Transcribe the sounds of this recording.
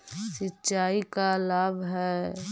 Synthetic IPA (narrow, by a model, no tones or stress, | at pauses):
sɪtːʃaːikalaːbʱɦɛː